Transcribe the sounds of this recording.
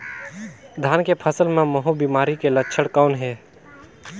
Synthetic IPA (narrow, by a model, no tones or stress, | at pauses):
d̪ʱaːnkepʰəsəlmẽməɦubiːmaːɾikelətːʃʰəɽkaːnɦɛː